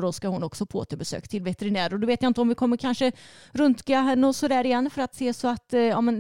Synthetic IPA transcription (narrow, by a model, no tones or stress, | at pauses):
ɾɔskahʊnːɔksɔpʰo̰ːt̪əɾbɛsø̰ːkt̪ʰɪlvɛt̪ɛɾɪnæːɾɔd̪ɔveːt̪jaɪnt̪əɔmvɪkʰɔmːəɾkʰanʂəɾɵnt̪ɡaɦɛnːəɔsɔd̪æːɾɪjɛnːfœɾat̪seːsɔat̪jɑːmɛn